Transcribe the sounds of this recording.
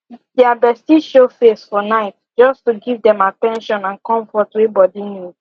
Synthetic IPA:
dɛabɛstiʃofesfɔnaɪt | d͡ʒɔstuɡivdɛ̃matɛ̃nʃɔ̃nãnkɔ̃ɱfɔtwebɔdinju

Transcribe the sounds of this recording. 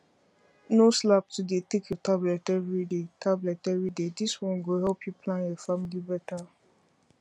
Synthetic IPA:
noslap̚tudetekʰjotablɛtɛvɾidetʰablɛtɛvɹidediswɔ̃nɡoɦɛlpjipʰlãnefamlibɛta

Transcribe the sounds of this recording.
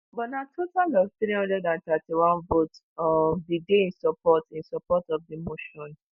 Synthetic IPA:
bɔnatʰotalɔvtɾihɔ̃ndɹɛdãnt̪atiwãnvot | ɔdideĩnsɔpɔtĩnsɔpɔtɔfdimoʃɔ̃n

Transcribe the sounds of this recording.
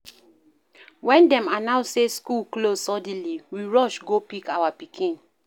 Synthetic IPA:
wɛ̃ndɛ̃manãʊ̃seskulklosɔdĩliwiɹɔʃɡopikawapikʰĩn

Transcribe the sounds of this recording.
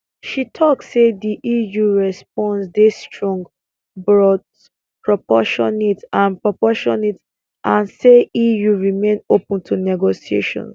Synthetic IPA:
ʃitʰɔksediʔijuɹɛsp̚ɔ̃nsdestɹɔ̃ŋɡ | bɹɔt | pɹɔpɔʃɔ̃nitãnpɹɔpɔʃɔ̰̃nit | ʔãnseijuɹimẽnopũntʰunɛɡosiḛʃɔ̰̃ns

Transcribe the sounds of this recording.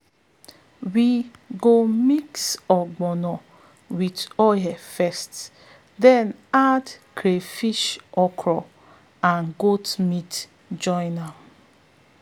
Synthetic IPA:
wiɡomiksɔɡ͡bɔnɔ | witɔjɛfɛst | dɛnadkʰɾefiʃɔkʰɾɔ | anɡotmit | d͡ʒɔɪnal

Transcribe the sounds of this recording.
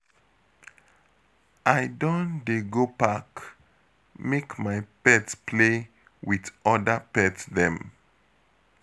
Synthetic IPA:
ʔaɪdõndeɡopak | mekmajpɛtspʰle | wiðɔdəpɛtsðɛ̃m

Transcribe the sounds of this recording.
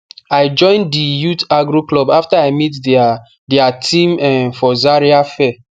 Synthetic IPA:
ajd͡ʒɔ̃ɪ̃ndijutaɡɹuklɔbaftaaɪmit | diatʰĩmɛ̃nfɔzaɹiafɛ

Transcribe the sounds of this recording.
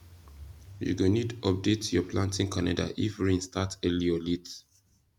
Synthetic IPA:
jṵɡonidɔp̚detjɔplãntĩŋkʰanada̰ʔifɹĩnstatɛliɔlit

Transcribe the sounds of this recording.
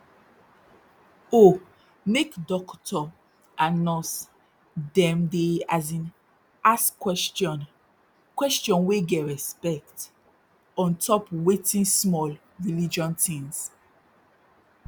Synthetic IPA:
o | mekdɔktʰɔ | anɔs | dɛ̃mdeazĩn | askːwɛstɔ̃n | kwɛstjɔ̃nweɡɛɹɛspɛkt | ɔ̃ntʰɔpwetĩnsmɔl | ɹilid͡ʒɔ̃ntĩŋs

